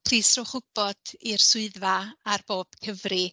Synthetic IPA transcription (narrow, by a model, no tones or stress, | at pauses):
pʰriːsrɔχʊb̥ɔd̥irsʊɨðvaarb̥oːb̥kʰəvri